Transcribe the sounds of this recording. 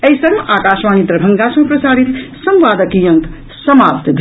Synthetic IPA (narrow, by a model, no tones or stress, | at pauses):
ɐjsʌŋmʔakasmanit̪ɾəbʱʌŋɡasmpɾɐsaːɽit̪sʌ̃mʋaːd̪əkijʌŋk | sʌmapt̪d̪ʱ